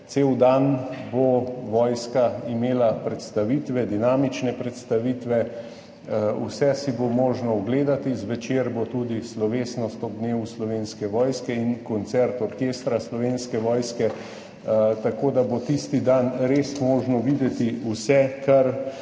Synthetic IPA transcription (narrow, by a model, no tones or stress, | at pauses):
seːwd̪anboʋɔːjskaimeːlapɾɛt̪st̪aʋiːt̪ʋɛd̪inaːmit͡ʃnɛpɾɛt̪st̪aʋiːt̪ʋɛ | ṵsɛsibomoːʒnɔɔɡleːd̪at̪izʋɛt͡ʃeːɾbot̪ud̪islɔʋeːsnɔst̪ɔɡ̚d̪neːwuslɔʋenskɛʋɔːjskɛinkɔnt̪sɛɾt̪ɔɾkeːst̪ɾaslɔʋeːnskɛʋɔːjskɛ | t̪akod̪abot̪ist̪id̪anɾesmoːʒnɔʋid̪ɛt̪iusɛkʰaɾ